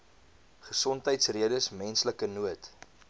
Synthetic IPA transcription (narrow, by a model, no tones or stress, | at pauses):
χəsɔntɦəjtsriədəsmɛnsləkənuət